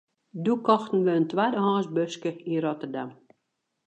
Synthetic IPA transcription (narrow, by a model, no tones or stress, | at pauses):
dukɔxtən̩ʋəəntʋaːdəɦɔ̃ːsbøskəinrɔtərdam